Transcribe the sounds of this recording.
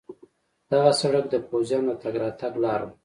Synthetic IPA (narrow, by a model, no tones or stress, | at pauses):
d̪̥aɣasaɽakd̪əpozjɑnot̪aɡɾɑt̪aɡlɑɾə̰m